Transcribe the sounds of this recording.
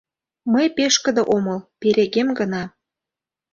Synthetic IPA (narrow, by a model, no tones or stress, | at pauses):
məjpeʃkə̆d̪ɤ̆ʔoməlpeɾeɣemɡənɑ